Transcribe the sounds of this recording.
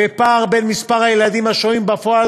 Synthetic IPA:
epaʁbe̞nmispaʁhajelad̪imhaʃoimbafoal

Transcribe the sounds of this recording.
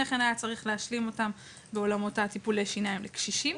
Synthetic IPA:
eχenajat͡saʁiχleaʃlimo̞tam | beo̞lamotatipuleʃinaimlekʃiʃim

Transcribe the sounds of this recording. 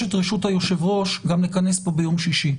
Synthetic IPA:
et̪ʁeʃut̪hajo̞ʃe̞vʁo̞ʃɡamlekane̞spo̞bejo̞mʃiʃi

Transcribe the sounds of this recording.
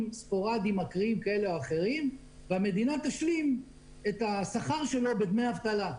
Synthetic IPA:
mspo̞ʁad̪imakʁiimkae̞leoaχe̞ʁim | veame̞d̪inat̪aʃlim | e̞t̪asaχaʁʃe̞lo̞bed̪mejavt̪ala

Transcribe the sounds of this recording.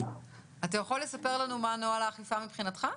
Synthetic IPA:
atajaχolːesape̞ʁlanumanoalaːχifamipχinatχa

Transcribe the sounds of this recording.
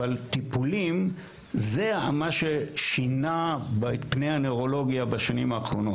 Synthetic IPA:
alt̪ipulim | zea̰maʃeʃinabepnejaneoʁo̞lo̞ɡjabaʃanimaːχʁo̞no

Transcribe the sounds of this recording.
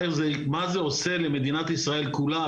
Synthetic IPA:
ezemazeoselemed̪inat̪isʁae̞lkula

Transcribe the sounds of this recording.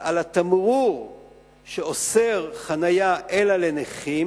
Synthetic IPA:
alat̪amʁuʁ | ʃeoseʁχanajaʔelaleneχi

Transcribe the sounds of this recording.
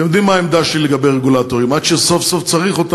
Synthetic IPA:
emjd̪imːaːemd̪aʃileɡabejʁeɡulat̪oʁimad̪ʃeso̞fsoft͡saʁiχot̪a

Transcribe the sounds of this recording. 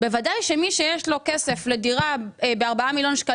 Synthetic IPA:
bevadajʃemiʃejeʃlo̞kese̞fle̞diʁabeaʁbaamiljo̞nʃka

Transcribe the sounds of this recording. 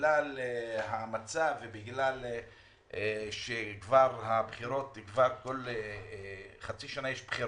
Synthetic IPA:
laleɦamat͡savebiɡlal | eʃekvaʁhabχiɾo̞t̪kvaʁko̞le | χat͡siʃanajeʃbχiɾ

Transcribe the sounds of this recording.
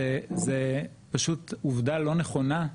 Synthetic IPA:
eze | paʃutuvdalo̞neχo̞na

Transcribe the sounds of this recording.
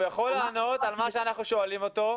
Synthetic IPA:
veχo̞laːno̞t̪almaʃeanaχnuʃo̞alimo̞t̪o̞

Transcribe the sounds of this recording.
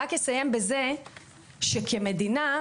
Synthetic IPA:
akjesaje̞mbeze | ʃekʰeme̞d̪ina

